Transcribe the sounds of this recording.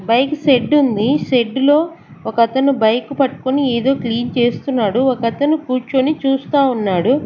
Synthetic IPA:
bɐjkse̞ɖːund̪iʃe̞ɖːlo̞ː | ɔkɐt̪ɐnubɐjkupɐʈːu̥konieːd̪o̞ːkliːnt͡ʃe̞ːst̪unːaːɽuɔkɐt̪ɐnukuːɾt͡ʃonit͡ʃuːst̪aːunːaːɽu

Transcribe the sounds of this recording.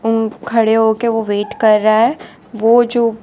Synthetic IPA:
ʊnkʰɐɽeɦoːkeʋoʋeːʈkɐɾːaɦɛː | ʋoːd͡ʒoː

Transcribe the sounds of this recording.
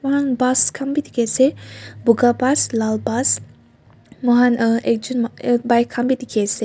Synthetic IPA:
mɔɦanbaskʰambit̪ikesebuɡabaslalbas | mɔɦanəʔek̚d͡ʒunmbajkʰambit̪ikʰese

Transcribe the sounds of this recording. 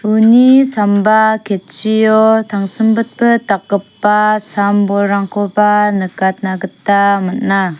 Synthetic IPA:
unisambakʰet̚t͡ʃijɔtʰaŋsɯmbɯt̚bɯtak̚ɡɯpːasambɔɾaŋkʰɔbanɯkat̪̚naɡɯtːamɯt̚na

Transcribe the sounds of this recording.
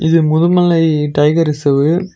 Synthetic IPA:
ɪðɯmʊðɯmɐlɐɪʈɐɪɣɐɾɪsɐʋɯ

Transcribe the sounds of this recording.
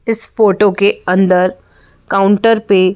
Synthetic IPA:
ɪsfoːʈokeɐ̃nd̪əɾ | kaːʊ̃ɳʈəɾpe

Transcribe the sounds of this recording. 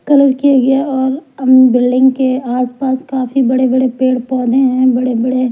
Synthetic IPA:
kɐləɾkijaɡɐjaɔːɾɐmbɪlɖɪ̃ŋɡkeaːspaːskaːfibɐɽebɐɽepeːɽpɔːd̪ʱẽɦɛ̃bɐɽebɐɽe

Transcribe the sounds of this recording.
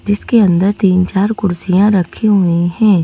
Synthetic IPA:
d͡ʒɪskeɐ̃nd̪əɾt̪iːnt͡ʃaːɾkʊɾsijãɾɐkʰiɦʊiɦɛ̃ː

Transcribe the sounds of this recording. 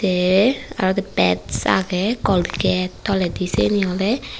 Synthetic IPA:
ɛa̰ɾɔt̪ɛpɛt̪sa̰ɡɛkɔlikɛt̪ːɔlɛd̪isḛniɔlɛ

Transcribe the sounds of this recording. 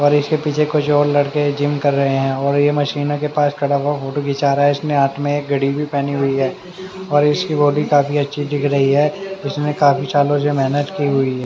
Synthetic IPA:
ɔːɾɪskepiːt͡ʃʰekʊt͡ʃʰɔːɾlɐɽked͡ʒɪmkɐɾːɐɦeɦɛ̃ɔːɾjemɐʃiːnõkepaːskʰɐɽabafoːʈoɡɪt͡ʃaːɾaɦɛɪsneaːʈʰmẽeːk̚ɡʱɐɽibʱipɛːniɦʊiɦɛː | ɔːɾɪskiboːɖikaːfiɐtːʃʰiɖɪkʰɾɐɦiɦɛːd͡ʒɪsnekaːfit͡ʃaːlõsemɛɦnət̪kiɦʊiɦɛː

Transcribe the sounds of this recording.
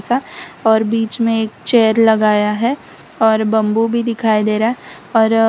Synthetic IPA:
saɔːɾbiːt͡ʃmẽeːk̚t͡ʃɛːəɾlɐɡaːjaɦɛ | ɔːɾbɐ̃mbubʱid̪ɪkʰaːid̪eːɾaɦɛ | ɔːɾ

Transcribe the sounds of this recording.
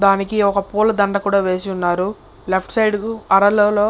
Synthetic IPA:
d̪aːnikiɔkɐpuːlɐd̪ɐɳɖɐkuːɽaːʋe̞ːsiunːaːɾu | lepʰʈsɐjɖɐɾɐloːloː

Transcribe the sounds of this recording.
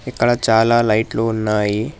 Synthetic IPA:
ikːɐɽat͡ʃaːlaːlɐjʈluːnːaːji

